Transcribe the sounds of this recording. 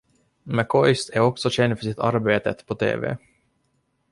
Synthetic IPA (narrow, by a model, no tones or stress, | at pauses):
mɛkʰɔʏst̪æɾɔksɔɕɛnd̪fœʂɪt̪ʰa̰ɾbeːt̪ət̪pʰɔt̪ʰḛːvḛː